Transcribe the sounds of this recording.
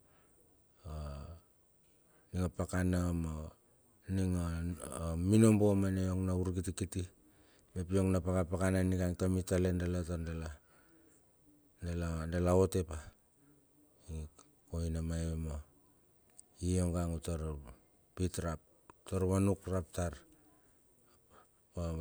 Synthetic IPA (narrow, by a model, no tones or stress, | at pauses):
a | niŋapakanama | niŋa | mino̞mbo̞maneoŋnauɾɡitikiti | mep̬joŋnapakapakananikaŋtamitalendelatandela | ndelandelaote̞pa | i | koinamajema | ioŋɡaŋutaɾa | pitɾap̚ | taɾβanukɾap̚taɾ | a